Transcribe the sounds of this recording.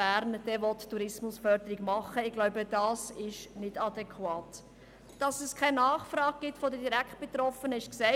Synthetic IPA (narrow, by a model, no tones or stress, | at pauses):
æːɾnd̥ɛvɔttːuɾɪsmʊsfœɾd̪əɾiɡmɑχːəɪɡlɔʊbəd̥ɑːsɪʃnɪdɑd̪ɛkχwɑːt | d̥ɑsɛskʰaɪnɑːχfɾɑːɡ̚ɡ̥ɪtfɔdədiɾækχt̚b̥et̪ɾɔfənəɪʃksɛɪ